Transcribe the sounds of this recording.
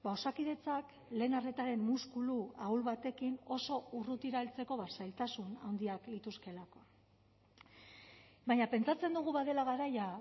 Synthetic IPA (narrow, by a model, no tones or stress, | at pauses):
baosakið̞e̞t͡sak | le̞ːnare̞t̪aɾe̞mmuskuluawlβat̪e̞kino̞so̞urut̪iɾalt͡se̞ko̞βaɾsajlt̪asunawnd̪iaklit̪uske̞lako̞ | baɲape̞nt͡sat͡se̞nd̪uɣ̞uβaðe̞laɣ̞aɾaja